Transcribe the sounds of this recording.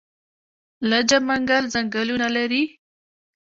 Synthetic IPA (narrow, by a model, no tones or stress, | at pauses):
lad͡ʒamaŋɡalzaŋɡəlunalaɾi